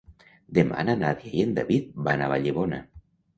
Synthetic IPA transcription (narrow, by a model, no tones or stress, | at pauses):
d̪ema̰nanaðjajend̪aβit̪̚banaβaʎeβona̰